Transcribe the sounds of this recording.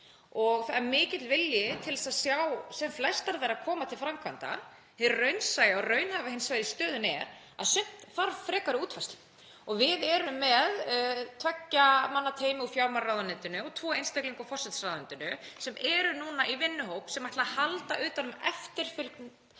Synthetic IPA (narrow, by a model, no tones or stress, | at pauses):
ɔɣθamɪːcɪt̪lvɪljɪt̪ʰɪlðɛsaðsjawsɛmflɛst̪aɾðaɾakʰɔːmat̪ʰɪlfɾamkʰvant̪a̰ | hɪrœɥnsajɪarœːɥnhavahɪnsvaːjɾɪst̪œːðʏnɛɾ | a̰ðsʏn̥t̪θaɾfɾɛːkaɾʏuːt̪fajst̪lɪ̥ | ɔɣvɪðɛɾʏmːɛðt̪ʰvɛcːamanːat̪ʰeːjmɪufjawɾmaɾrawðanɪnt̪ʏnʏɔt̪ʰvɔːejnst̪akliŋkafɔr̥sɛt̪saðʏnt̪ʏnʏsɛmɛɾʏnuːnaʔivɪnːʏɦowpsɛmvaht̪lahalt̪aʔʏːt̪anʏmɛft̪ɪɾ̥fʏlkn